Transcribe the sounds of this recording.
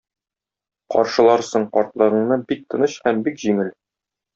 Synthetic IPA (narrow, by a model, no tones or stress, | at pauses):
qɒ̰ɾʃɤ̆lˠɑɾsɤɴqɒɾt̪lˠɤ̆ʁɤ̆ɴnɤbik̚t̪ɤ̆nɤɕhæmbikʑiŋɘl